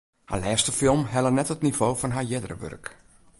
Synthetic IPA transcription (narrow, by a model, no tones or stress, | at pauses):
ha̰lɛːstəfɪlˠmɦɛlənɛtətnivoːfɔnɦaɹjɪdərə̰ʋø̰rk